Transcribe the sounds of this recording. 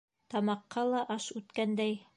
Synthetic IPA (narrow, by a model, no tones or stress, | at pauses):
t̪ɑmɑqːɑlˠɑʔɑʃʉt̪kænd̪æj